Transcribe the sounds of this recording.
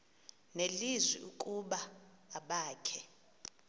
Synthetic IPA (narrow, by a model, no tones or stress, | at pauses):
nelizwiukʼuɓaː | ɓaːkʰɛ